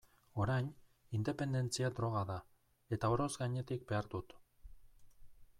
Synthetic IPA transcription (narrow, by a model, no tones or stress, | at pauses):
o̞ɾajn | ind̪e̞pe̞nd̪e̞nt͡siad̪ɾo̞ɣ̞aða | e̞t̪aoɾo̞zɡaɲe̞t̪ik̚be̞aɾd̪ut̪